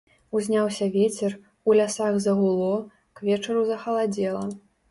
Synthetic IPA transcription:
uzʲnʲawsʲɐvʲet͡sʲɛr | ulʲasaɣzɐɣulˠɔ | kvʲɛt͡ʂɐɾuzɐxɐlˠad͡zʲɛlˠɐ

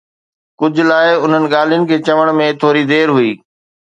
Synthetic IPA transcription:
kʊd͡ʑʱʊ̆laːɪʊn̤ənɪ̆ɠaːl̤ijʊnɪ̆kʰeːt͡ɕɐʋəɽ̃mẽt̪ʰoːɾid̪eːɾɦʊiː

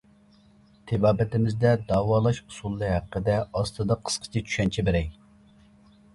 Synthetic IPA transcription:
t̪ʰɪbɑːbɪt̪ɪmɪzd̪ɛd̪ɑːwɑːlˠɑʃusulˠːɨɦæqːəd̪ɛɑst̪ɨd̪ɑqʰə̥sqʰə̥t͡ʃʰɛt͡ʃʰy̥ʃɛnt͡ʃʰɛbɪɾɛj

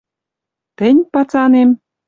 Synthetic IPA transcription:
t̪ɘ̆nʲpɑt͡sɑnem

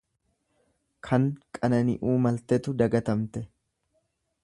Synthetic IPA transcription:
kʰɐŋkʼɐnɐnɪ̰ʔuːmɐlt̪ɛt̪ʊd̪ɐɡɐt̪ɐmt̪ɛ

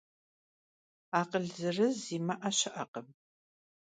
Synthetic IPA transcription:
aːqəɮzɨrɨziːmɐʔɐɕɪʔɐqəm

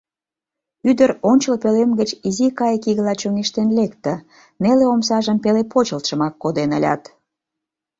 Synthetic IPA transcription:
yd̪əɾonʲt͡ɕəlpølemɡət͡ɕizikɑjkiɣəlɑt͡ɕoŋiʃt̪enlekt̪ə̆ | neleomsɑʒəmpelepot͡ɕəlt̪ʃə̆mɑkːod̪enəlʲɑ̰t̪

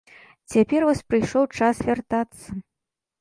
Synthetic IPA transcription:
t͡sʲapʲɛrvɔsʲpɾɨjʂɔwt͡ʂasvʲart̪at̪sːɐ

